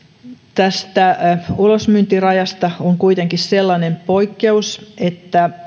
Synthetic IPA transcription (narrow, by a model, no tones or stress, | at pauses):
t̪æst̪æulosmynt̪irɑjɑst̪ɑoŋkuit̪eŋkisselːɑnempo̞ikːe̞uset̪ːæ